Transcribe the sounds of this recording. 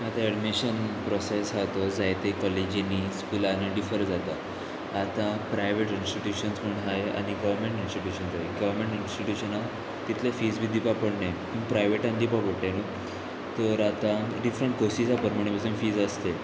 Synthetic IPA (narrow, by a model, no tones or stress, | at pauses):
at̪aeɖmiɕənpɾɔsesɦat̪od͡zajt̪ekɔled͡ʑiniskulaneɖifəɾd͡zat̪aː | t̪ãpɾajʋeʈinsʈiʈjuɕənsməɳɦajea̰ñiɡəʋəɾmẽɳʈinsʈiʈjuɕənd͡zajeɡəʋəɾmẽɳʈinsʈiʈjuɕəna | t̪it̪ʰlefiːd͡zbid̪ipapəɽɳe | ũpɾajʋeʈãnd̪ipapəɽʈenu | t̪əɾat̪ãɖifɾeɳʈ̚kosisapəɾməɳ̃ebəsenfiːd͡zəst̪e